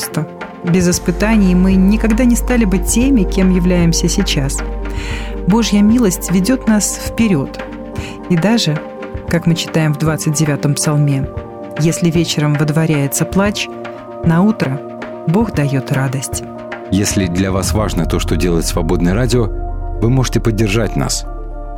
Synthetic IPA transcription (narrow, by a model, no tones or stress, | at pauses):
st̪ə | bʲɪzɪspɨt̪anʲɪjmɨnʲɪkaɡd̪anʲɪst̪alʲɪbɨtʲːemʲɪkʲe̞mjɪvlʲæjɪmsʲəsʲɪt͡ɕas | bo̞ʐjəmʲilˠəsʲtʲvʲɪdʲo̞t̪nasfpʲɪɾʲo̞t̪ | id̪aʐɨ | kakmɨt͡ɕɪ̥t̪ajɪmvd̪vat̪sɨt̚ʲdʲɪvʲat̪əmpsɐlˠmʲe̞ | jesʲlʲɪvʲet͡ɕɪɾəmvəd̪vɐɾʲæjɪt̪səplˠat͡ɕ | nɐut̪ɾə | bo̞xd̪ɐjo̞t̪rad̪əsʲtʲ | jesʲlʲɪd̪lʲɐvasvaʐnət̪o̞ʂt̪odʲelˠəɪt̪ʲsvɐbo̞d̪nɨjɾadʲɪovɨmo̞ʐɨtʲɪpədʲːɪrʐatʲna̰s